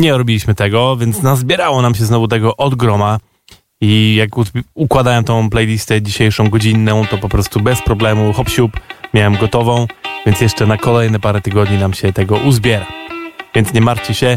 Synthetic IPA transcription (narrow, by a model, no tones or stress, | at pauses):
ɲɛɾɔbʲilʲiɕmɘt̪ɛɡɔvʲjɛnt̪snazbʲjɛɾawɔnamɕ̬ɛznɔvut̪ɛɡɔʔɔd̪ɡɾɔma | ijakukwad̪awɛmt̪ɔ̃w̃plɛjlʲist̪ɛd͡ʑiɕejʂɔ̃w̃ɡɔd͡ʑinːɔ̃w̃t̪ɔpɔpɾɔst̪ubɛspɾɔblɛmuxɔpɕupmʲjawɛmɡɔt̪ɔvɔ̃w̃vʲjɛnt̪sʲjɛʂt͡ʂɛnakɔlɛjnɛpaɾɛt̪ɘɡɔd̪ɲinamɕɛt̪ɛɡɔʔuzbʲjɛɾavʲjɛnt̪sɲɛmaɾt͡ɕɛɕɛ